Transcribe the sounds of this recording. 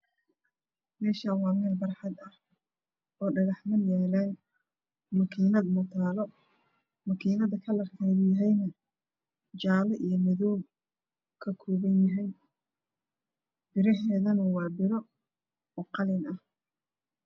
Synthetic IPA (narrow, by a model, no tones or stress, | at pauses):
mɛːʃawɑːmɛːlbɐrħɑd̪ɐh | ɔːɖɐɣɑħmɐnjɛːlɛːn | mɐkʰiːnɐd̪mɔt̪ʰaːlɔ | mɐkʰiːnɐðɐkʰɐlɐqɑjdjɐɦɛjnɐ | d͡ʒaːlɔʔijɞmɐðɔwb | kʰɐkʰɔːβɐnjɐɦɛj | b̥ɪɾɐɦɛːðɐnɐwɑːbɪɾɔ | ɔqɑlɪnɐh